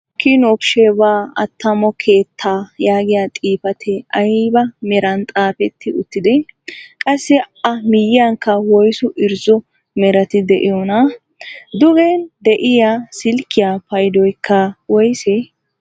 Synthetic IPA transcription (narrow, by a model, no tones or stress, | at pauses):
kːinɔbʃeːbaːɐ̰t̪ːɐmɔkʰeːt̪ʰːaːjaːɡɪjaːt̪ʼiːfɐt̪ʰɛɐjbɐmɛɾɐnt̪ʼaːpɛt̪ʰːɪʊt̪ːɪd̪ɛkʼɐsːɛɐmɪjːɪjaŋkːɐwɔjsɔʔɪɾzɔ | mɛɾɐt̪ɪd̪ɛʔɪjɔnɐ | d̪ʊɡɛnd̪ɛʔɪjaːsɪlkːɪjaːpɐjd̪ɔjkʰːɐwɔjsɛ